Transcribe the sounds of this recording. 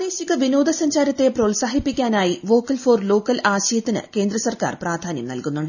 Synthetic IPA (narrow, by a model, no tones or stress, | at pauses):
d̪e̞ːɕiɣɐʋino̞ːd̪ɐsɐɲd͡ʑaːɾɐt̪ːe̞proːlsaːhipːikʲːaːnaːjiʋo̞ːkːɐlfo̞ːrlo̞ːkːɐlaːɕɐjɐt̪ːinɨ̰ke̞ːnd̪rɐsɐrka̰ːrpraːd̪ʱaːnjɐ̰mnɐ̰lkunːuɳɖɨ